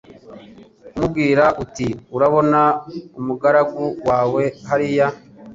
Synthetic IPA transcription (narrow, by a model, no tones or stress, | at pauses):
mub̚ɡiːɾaʔutiuɾaβo̞naumuɡaɾaɡuwaːwe̞haɾija